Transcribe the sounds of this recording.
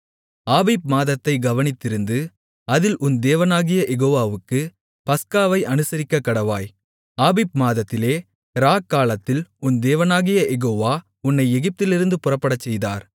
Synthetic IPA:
aːbiːp̚maːðɐt̪ːɐɪɡɐʋɐnɪt̪ːɪɾɯnd̪ɯ | ɐðɪlʔʊnd̪eːʋɐnaːɣɪjɐʔɛɣoːʋaːʋɯkːɯ | pɐskaːʋɐɪʔɐnɯsɐɾɪkːɐkːɐɽɐʋaːj | aːbiːp̚maːðɐt̪ːɪleː | ɾaːkːaːlɐt̪ːɪlʊnd̪eːʋɐnaːɣɪjɐʔɛɣoːʋaː | ʊnːɐɪɛɣɪp̚t̪ɪlɪɾɯnd̪ɯpʊrɐpːɐɽɐt͡ʃːɛjða̰ːɾ

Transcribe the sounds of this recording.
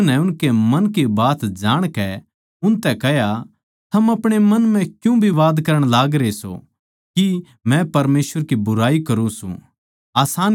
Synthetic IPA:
nɛ̃ʊnkemɐnkibaːt̪d͡ʒaːɽ̃kɛ | ʊnt̪ɛkɛɦja | t̪ʰɐmɐpɽ̃emɐnmɛ̃kjũbʱiʋaːd̪kɐɾəɽ̃laːɡɾeso̰ | ki | mɛ̃pɐɾmeːsʋəɾkibʊɾaːikɐɾũsṵ̃ | aːsaːn

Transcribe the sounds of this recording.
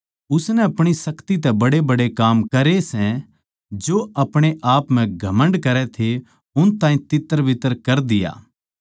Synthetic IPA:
ʊsnɛɐpɽ̃isɐkt̪it̪ɛbɐɽebɐɽekaːmkɐɾesɛ̃ | d͡ʒoɐpɽ̃eʔaːpm̤ɛ̃ɡʱɐmə̃ɳɖkɐɾɛt̪ʰe | ʊnt̪ãːĩt̪ɪt̪ːəɾʋɪt̪əɾkɐɾd̪ɪja̰ː

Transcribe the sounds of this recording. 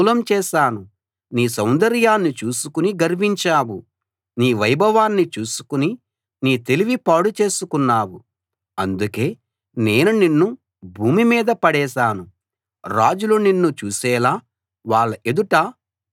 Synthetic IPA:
lɐmt͡ʃɛːʃaːnu | niːs̬ɐwnd̪ɐɾjaːnːit͡ʃuːsukuniɡɐɾʋiɲt͡ʃaːwu | niːʋɐjbɐʋaːnːit͡ʃuːsu̥kuni | niːt̪e̞liʋipaːɽut͡ʃeːsukunːaːwu | ɐnd̪uke̞ː | ne̞ːnuninːu | bʱuːmimiːd̪ɐpɐɽɛːʃaːnu | ɾaːd͡ʒuluninːut͡ʃuːsɛːlaː | ʋaːɭːɐʔe̞d̪uʈɐ

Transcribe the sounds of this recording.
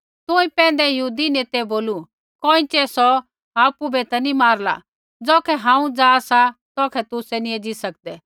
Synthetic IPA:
t̪ʊ̃ĩpɛ̃ːnd̪ɛjɐɦuːd̪ineːt̪ɛboːlu | kɔːĩt͡ʃɛsɔ | aːpubɛt̪ɛnĩmaːɾla̰ | d͡zoːkʰɛɦãːũd͡zaːsat̪ɔːkʰɛt̪ʊsɛnied͡ʒisɐk̚d̪ɛː

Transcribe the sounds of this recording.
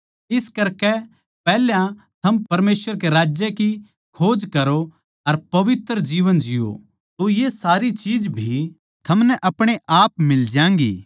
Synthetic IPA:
ɪskɐɾkɛ | pɛɦljã | t̪ʰɐmpɐɾmeːsʋəɾkeɾaːd͡ʒjeki | kʰoːd͡ʒkɐɾo | ɐɾpɐʋɪt̪ɾd͡ʒiːʋənd͡ʒɪjo̰ | t̪ojesaːɾit͡ʃiːd͡ʒbʱi | t̪ʰɐmnɛʔɐpɽ̃eʔaːpmɪld͡ʒjãːŋɡḭː

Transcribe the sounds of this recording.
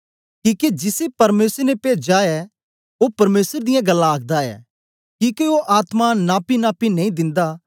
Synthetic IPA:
kĩːked͡ʒɪsepɐɾmeːsəɾnepeːd͡ʒaːɛ | opɐɾmeːsəɾd̪ɪjãɡɐlːãːk̚ʰd̪aɛ̰ː | kĩːkeoʔaːt̪manaːpinaːpinɐĩd̪ɪ̃nd̪a

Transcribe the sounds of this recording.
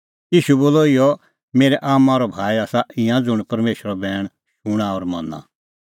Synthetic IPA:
iːʃuboːlɔɪjɔ | meːɾɛʔaːmãːɾɔbʱaːiaːsaɪ̃jãd͡zʊɽ̃pɐɾmeːʃɾɔbɛːɽ̃ | ʃʊɽ̃aɔːɾmɐ̃na̰

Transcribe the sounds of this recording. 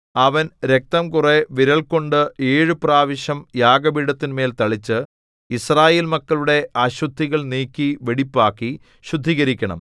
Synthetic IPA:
ɐʋɐnɾe̞k̚t̪ɐmkure̞ʋiɾɐɭko̞ɳɖɨeːɻɨpraːʋɐɕɐmjaːɡɐbiɽɐt̪ːinme̞ːlt̪ɐɭit͡ɕːɨ | israːjeːlmɐkːɐɭuɽe̞aːɕud̪ʱːiɣɐɭniːkʲːiʋeɽipːaːkːi | ɕud̪ʱːiɣɐɾikʲːɐɳɐ̰m

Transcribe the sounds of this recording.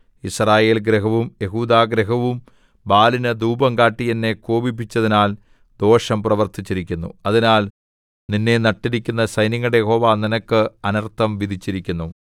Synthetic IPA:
israːje̞ːlɡɾeɦɐʋumje̞ɦuːd̪aːɡɾeɦɐʋum | baːlinɐd̪uːbɐŋkaːʈːijɐnːe̞koːbipːit͡ɕːɐðinaːl | d̪o̞ːʂɐmprɐʋɐrt̪it͡ɕːiɾikʲːunːṵɐðinaːl | ninːe̞nɐʈːiɾikʲːunːɐsɐjnɐŋːɐɽejeɦo̞ːʋaːninɐkːɨɐnɐrt̪ʰɐmʋid̪ʱit͡ɕːiɾikʲːunːu

